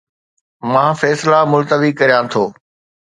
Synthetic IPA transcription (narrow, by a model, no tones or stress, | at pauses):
mãːfɛːslamʊlt̪əʋikɐɾijãt̪ʰoː